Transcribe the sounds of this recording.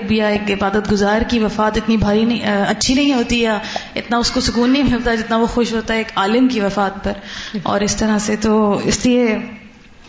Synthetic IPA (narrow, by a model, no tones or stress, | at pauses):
k̚bijaeːkɪbaːd̪ət̪̚ɡʊzaːɾkiʋɐfaːt̪ɪt̪nibʱaːɾinĩɐtːʃʰinɐɦĩɦoːt̪ijaɪt̪naʊskosʊkuːnːɐɦĩmɪlt̪ad͡ʒɪt̪naʋoxoːʃɦoːt̪aɦɛeːkaːlɪmkiʋɐfaːt̪̚pɐɾɔ̰ːɾɪst̪ɐɾaset̪oɪslie